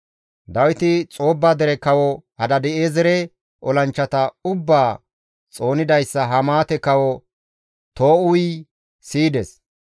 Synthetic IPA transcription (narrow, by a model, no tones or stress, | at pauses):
d̪ɐwɪt̪ɪt͡sʼo̞ːbːaːd̪ɛɾɛkɐwɔhɐd̪ɐd̪ɛʔeːzɛɾɛ | ʔɔlɐnt͡ʃːɐt̪ɐʊbːaː | t͡sʼo̞ːnɪd̪ɐjsːɐɦɐmaːt̪ɛkɐwɔ | t̪o̞ːʊj | siːd̪ɛs